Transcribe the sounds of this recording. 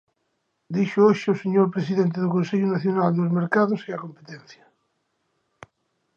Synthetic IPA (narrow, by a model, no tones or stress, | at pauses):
d̪iʃooʃoseɲoɾpɾesiðent̪̬eðokonseʎonaθjonald̪elozmeɾkaðoseakompet̪ẽnθja